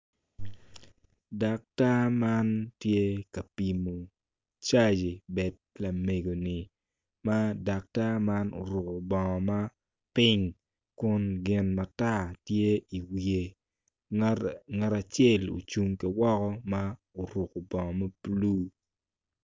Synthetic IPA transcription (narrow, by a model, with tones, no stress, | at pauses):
da˨k̚ta˦ma˦ntje˦ka˨pi˨mo˨ | t͡ʃa˦d͡ʒi˨bɛ˨d̚ | la˨me˨ɡo˨nɪ˨ | ma˦da˨k̚ta˦ma˦no̰˨ɾʊ˨ko˨bɔ˨ŋɔ˨ma˦ | pɪ˦ŋ | kʊ˦nɡɪ˦nma˨ta˦˨tje˦i˨wi˨e˨ | ŋɛ˦ɾa˨t͡ʃɛ˦˨lo̰˨t͡ʃu˦ŋki˨wɔ˦kɔ˦ma˦ | o˨ɾʊ˨ko˨bɔ˨ŋɔ˨mɐ˦plu˦